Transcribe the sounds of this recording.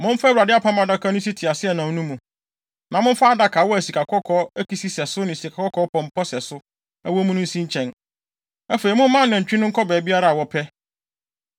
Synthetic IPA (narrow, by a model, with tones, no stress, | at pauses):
mʊ̃˦m̩˦fa˦wɾa˨dɪ˦a˦pʰa˦m̃˦a˨da˦kʰa˦nʊ̃˦s̬i˦tʰi˨a˨sɪ˦ɛ˦˨nã˨m˦nũ˦mũ˨ | nã˨mʊ̃˦m̩˦fa˦a˦da˨kʰa˨˦wɔ˦æ˨si˨kʰa˨kʰɔ˦kʰɔː˦æ˦kʰi˨si˦sɛ˨sʊ˦nɪ̃˨si˨kʰa˨kʰɔ˦kʰɔː˦pʰɔ̃˨m̩˦pʰɔ˦sɛ˨sʊ˦ | æ̰˦wɔ˦mũ˦nʊ̃˦n̩˦sĩ˦ɲ̩˦t͡ɕʰɛ̃˨n | æ˦fe˨ɾi˨mʊ̃˦m̩˦mã˦˨nɛ̃˨ɲ̩˨t͡ɕᶣɪ̃˦nʊ̃˦ŋ̩˦kʰɔ˦bɛː˨bi˦a˦ɾa˨a˨wɔ˦pʰɛ˦